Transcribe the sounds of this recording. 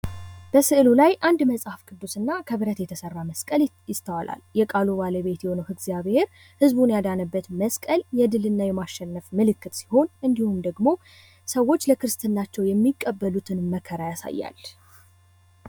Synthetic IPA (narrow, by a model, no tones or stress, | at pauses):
b̥əsɨʔlulajʔand̪məsʼhafkʼɨd̪ːusɨnːakʰəβɨɾət̪jɛt̪ʰəsərːaməskʼəljɪst̪ʰəwalʔa̰ljɛkʼalubaləβe̞t̪jɛho̞nəwɨɡzijaβhe̞ɾ | hɨzbunjad̪anəbːət̪məskʼəljɛd̪ɨlɨnːajɛmaʃːɛnːəfmɨlɨkʰːɨt̪si̥ho̞nʔɨnd̪ihund̪əɡmo̞ | səwːo̞t͡ʃːləkʰɨɾɨst̪ʰɨnːat͡ʃːɛwjɛmːikʼːəbːəlut̪ʰɨnməkʰəɾajasa̰jːa̰l